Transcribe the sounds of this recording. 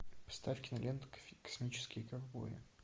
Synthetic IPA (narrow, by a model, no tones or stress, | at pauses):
pɐ̥st̪afʲkʲɪnɐlʲent̪kɐ̥smʲit͡ɕɪ̥skʲɪjəkɐrbo̰ɾʲɪ̰